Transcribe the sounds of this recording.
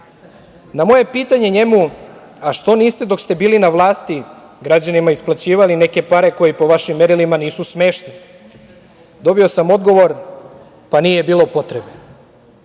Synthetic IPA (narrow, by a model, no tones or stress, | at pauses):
namo̞je̞piːt̪aɲe̞ɲe̞mu | aʃt̪o̞niːst̪e̞d̪o̞kst̪e̞biːlinaʋlˠaːst̪i | ɡɾad͡ʑanimaisplat͡ɕiːʋaline̞ke̞paɾe̞ko̞jipo̞ʋaʃimːe̞ɾilimaniːsusme̞ːʃni | d̪o̞bio̞samo̞d̪ɡo̞ʋo̞ɾ | paniːje̞biːlˠo̞po̞t̪ɾebe